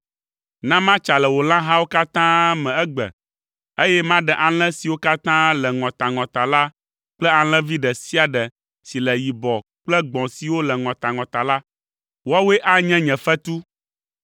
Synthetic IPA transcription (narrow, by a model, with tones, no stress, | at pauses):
nã˦mã˦t͡ʃa˨lɛ˨wo˨lã˦ɦã˦wo˦ka˦t̪ã˦mɛ̃˨ɛ˦ɡ͡bɛ̰˨ | e˦jɛ˦mã˦ɖɛ˨ʔa˨l̃ɛ̃˦si˨wo˦ka˦t̪ã˦lɛ˨ŋɔ̃˨t̪a˨ŋɔ̃˨t̪a˨la˦ | k͡plɛ˦a˨l̃ɛ̃˦vi˦ɖɛ˨si˦a˨ɖɛ˨ | si˨lɛ˨ji˨bɔ˨ | k͡plɛ˦ɡ͡bɔ̃˨si˨wo˦lɛ˨ŋɔ̃˨t̪a˨ŋɔ̃˨t̪a˨la˦ | wo˦a˦we˦ʔa˦ɲɛ̃˦ɲɛ̃˨fɛ˦t̪u˦